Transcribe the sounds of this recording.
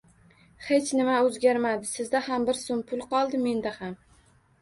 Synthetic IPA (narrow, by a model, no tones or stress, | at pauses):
he̞t͡ʃnɪmaɵzɡʲaɾmad̪ɪsɪzd̪ahambɪɾsompʰʊlˠqɒlˠd̪ɪme̞nd̪aham